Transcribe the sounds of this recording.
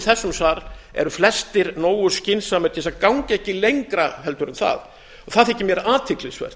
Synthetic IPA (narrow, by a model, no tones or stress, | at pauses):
θɛsːʏmsvaɾɛ̰ɾʏflɛst̪ɪɾnoːwʏscɪnsamɛt̪ʰɛsakawɲcɛhcːɪlejŋkɾahɛlt̪ʏɾʏnθa̰ð | ɔɣθaðɛhcːɪmjɛɾaːt̪ʰɪklɪsvɛ̰r̥t̪